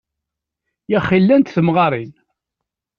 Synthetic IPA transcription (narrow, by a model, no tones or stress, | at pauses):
jæχilːænt̪θəmʁɑɾˤin